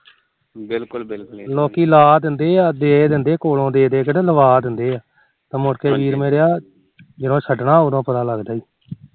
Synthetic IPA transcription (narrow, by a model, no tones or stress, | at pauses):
ɪllɔːkiːlaːd̪ɪnd̪eːaːd̪eːd̪ɪnd̪eːkoːlõːd̪eːd̪eːkəɽeːləʋaːd̪ɪnd̪eːaː | t̪ãːmoɽkeːʋiːɾmeːɾeaː | d͡ʒɪnõːʃʰəɖɳaːʊd̪õːpət̪aːləɡd̪aːiː